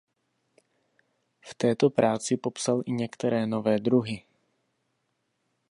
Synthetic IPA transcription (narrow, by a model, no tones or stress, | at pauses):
ft̪ɛːt̪o̞pɾaːt͡sɪpo̞psalʔɪɲɛkt̪ɛɾɛːno̞vɛːd̪ɾuɦɪ